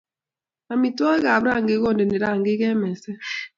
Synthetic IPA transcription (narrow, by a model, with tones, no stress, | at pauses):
a˨mi˨tɔ˦e˦ɣa˨bɾa˦˨ŋ̩˨ɡe˦ɡɔ˦˨n˨de˨ne˨ɾa˦˨ŋ̩˨ɡe˦ɡɛ˦mɛ˨sɛ˦